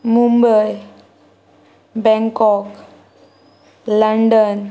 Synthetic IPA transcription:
mumbəj | bɛ̃ŋkɔk | ləɳɖən

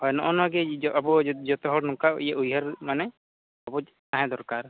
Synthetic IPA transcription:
hɔjnɔʔɔnɔaɡɛʔabɔd͡ʒɔt̪ɔɦɔɽnũkaʔjaʔujɦaɾmanɛ | abɔ | t̪aɦɛ̃d̪ɔɾkaɾ

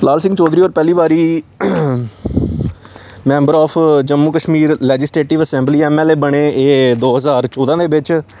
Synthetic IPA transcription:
laːlsɪ̃ŋɡt͡ʃɔːd̪ɾiːoːɾpɛːliːbaːɾiː | mɛ̃ːmbəɾɔːpʰd͡ʒəmːuːkəʃmiːɾlɛːd͡ʒɪsʈeːʈɪʋəsɛ̃ːmbliːɛːmɛːleːbəɽ̃eːeːd̪oːɦəzaːɾt͡ʃɔːd̪ãːd̪eːbɪt͡ʃ

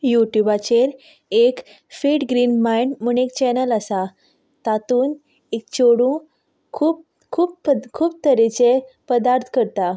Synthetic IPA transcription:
juʈjubat͡ɕeɾ | ek | feʈɡɾiːnmajɳmuɳekt͡ɕɛnəlasa | t̪at̪uːn | ek̚t͡ɕoɽũ | kʰuːp̚ | kʰuːp̚əkʰuːp̚t̪əɾet͡ɕepəd̪aɾt̪ʰkəɾt̪a

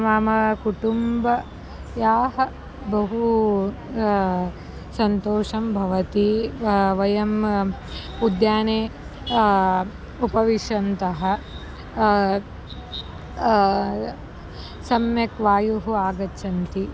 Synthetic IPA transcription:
maːmɐkuʈumbɐ | jaːɦɐ | bɐɦu | sɐnt̪oːʂɐmbʱɐʋɐt̪iʋɐjɐm | ud̪jaːneː | upɐʋiʂɐnt̪ɐɦɐ̆ | sɐmjɐkʋaːjuɦuaːɡɐʃʰɐnt̪i

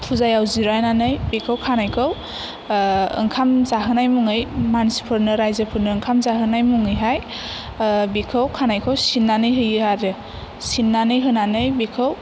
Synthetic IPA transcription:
tʰuzajawziɾajnanɯjbikʰɯwkʰanajkʰɯw | ɯ̰ŋkʰamzaɦɯnajmuŋɯjmansi̥pʰɯɾnɯɾajzepʰɯɾnɯɯŋkʰamzaɦɯnajmuŋɯjɦaj | bikʰɯwkʰanajkʰɯwsinːanɯjɦɯjɯhaɾɯ | sinːanɯjɦɯnanɯjbikʰɯw

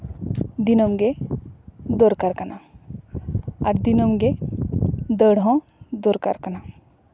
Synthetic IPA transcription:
d̪inomɡe | d̪oɾkaɾkana | aɾd̪inomɡe | d̪əɽɔ̃ | d̪oɾkaɾkana

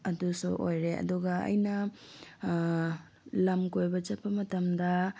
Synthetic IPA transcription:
ɐdusṵʔojɾeɐ̰duɡɐɐ̰jnɐ | lɐmkojbɐt͡ʃɐpːɐmɐtɐmdɐ

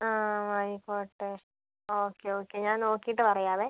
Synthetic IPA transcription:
aːʋɐjipoːʈːes | oːkːeoːkːeɲaːnnoːkːijiʈːɨpɐrɐjaːðe

